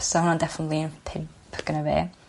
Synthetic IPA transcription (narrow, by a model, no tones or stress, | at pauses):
sɔhʊnãndɛfənətˡlˠinpʰɪmpʰɡ̥ənəvḛː